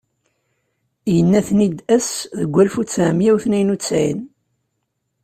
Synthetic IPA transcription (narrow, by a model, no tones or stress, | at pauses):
jənːæθnid̪æsðəɡʷːælfut͡sːæmjæwθnæjnut͡sːæjən